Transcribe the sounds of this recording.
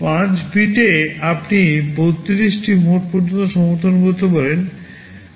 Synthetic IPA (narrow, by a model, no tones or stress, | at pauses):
pãt͡ɕbiʈeapnibot̪ːiɾiʃʈimoʈpɔɾd͡ʑont̪oʃɔmoɾt̪ʰonkoɾt̪ʰobɔlen